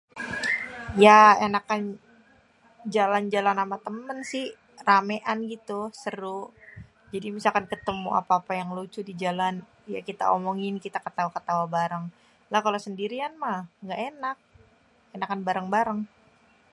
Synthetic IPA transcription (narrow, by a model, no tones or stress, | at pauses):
jaenakan | d͡ʒaland͡ʒalanamat̪əmənsɪh | rameʔanɡit̪usəɾʊ | d͡ʒadimisalkankət̪əmṵʔa̰paːpajaŋlut͡ʃʊdid͡ʒalan | ja̰kit̪a̰omɔŋɪnkit̪akət̪aakət̪awabaɾaŋ | lahkalosəndiɾianmahŋɡaʔenak̚ | enakanbaɾəŋbaɾəŋ